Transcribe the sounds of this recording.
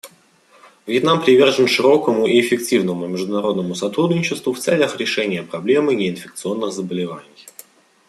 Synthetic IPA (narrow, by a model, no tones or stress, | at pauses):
vjɪt̪nampɾʲɪvʲe̞rʐənʂɨɾo̞kəmʊʔiɪfʲɪk̚tʲivnəmʊmʲɪʐd̪ʊnɐɾo̞d̪nəmʊsɐt̪ɾud̪nʲɪt͡ɕɪst̪vʊft̪sɛlʲəxɾʲɪʂɛnʲɪjəpɾɐblʲe̞mɨnʲɪɪnfʲɪk̚t̪sɨo̞nːɨxzəbəlʲɪva̰nʲɪj